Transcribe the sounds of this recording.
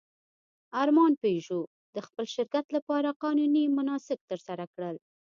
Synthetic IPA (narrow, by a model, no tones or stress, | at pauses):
ɑɾmɑnpeʒo | d̪əxpəlʃɪɾkat̪lapɑɾaqɑnunimʊnɑsɪk̚t̪əɾsaɾakɽəl